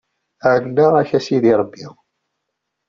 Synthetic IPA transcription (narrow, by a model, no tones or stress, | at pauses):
ʕnːəʁæçæsiðiɾˤəbːi